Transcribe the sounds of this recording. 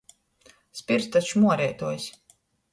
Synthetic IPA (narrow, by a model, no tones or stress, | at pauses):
spʲiɾst̪at͡ʃumuɔɾiɛt̪uɔjsʲ